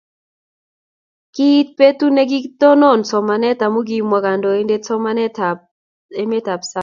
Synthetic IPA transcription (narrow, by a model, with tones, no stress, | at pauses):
ki˦t̚pe˦tu˦ne˦ɡi˦tɔ˦nɔ˦˨nsɔ˨ma˨nɛ˦ta˨mu˦ɡi˦mwa˨ka˨ndɔ˨e˦nde˦t͡sɔ˦ma˦nɛ˦ta | e˦me˦ta˨psa˦